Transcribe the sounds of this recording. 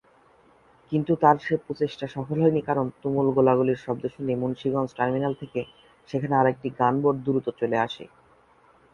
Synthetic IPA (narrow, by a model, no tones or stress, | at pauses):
kint̪ut̪aɾʃeput͡ɕeʃʈaʃɔfolɦoenikaɾont̪umulɡolaɡuliɾʃɔbd̪oʃonimunʃiɡɔnt͡ɕʈaɾminalt̪ʰeke | ʃekʰaneaɾek̚ʈiɡanboɖd̪uɾut̪ot͡ɕoleaʃḛ